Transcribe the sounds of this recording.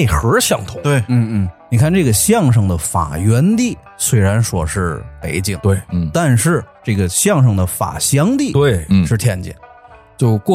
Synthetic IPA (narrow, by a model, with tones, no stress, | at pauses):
e˥˩ɪxɤ˧˥ɕjɑ˥˩ŋt̪ʰʊ˧˥t̪we˥˩ɪn̩˥˩n̩˥˩ni˨˩kʰa˥˩˧nʈ͡ʂɤ˥˩ɡə˩ɕjɑ˥˧ŋʂ̬ɤ˥˩ŋd̪ə˩fa̰˨˩ɥɛ˧˥nt̪i˥˩ | swe˧˥ɪɻa˧˥nʂwɔ˥ʂɻ̩˥˩pe˧˥ɪt͡ɕi˥˩ŋt̪we˥˩ɪ˥˩t̪a˥˧nʂɻ̩˥˧ʈ͡ʂɤ˥˩ɡə˩ɕjɑ˥˧ŋʂ̬ɤ˥˩ŋd̪ə˩fa̰˨˩ɕjɑ˥ŋt̪i˥˧t̪we˥˩ɪ˥ʂɻ̩˥˩t̪ʰjɛ˥˧nt͡ɕḭ˥˩ŋ | t͡ɕjo˥˧ʊkwɔ˥˩